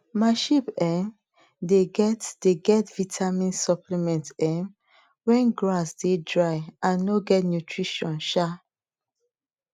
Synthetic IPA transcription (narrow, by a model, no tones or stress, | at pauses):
maɪʃipɛm | deɡɛtd̥eɡɛtvitʰamĩnsɔplimɛ̃ntɛ̃m | wɛ̃nɡɹasdedɹaɪãnːoɡɛtnjutʰɹiʃɔ̃nʃa